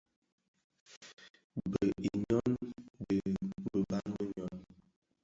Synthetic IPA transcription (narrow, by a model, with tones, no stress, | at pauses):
bə˨i˨ɲɔ˦ndə˨bə˨ba˦nbə˦ɲɔ˦n